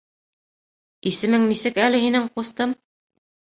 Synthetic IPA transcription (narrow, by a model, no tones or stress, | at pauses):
isɘ̆mɘŋnisɘkælɘ̆ɦinɘŋqust̪ɤm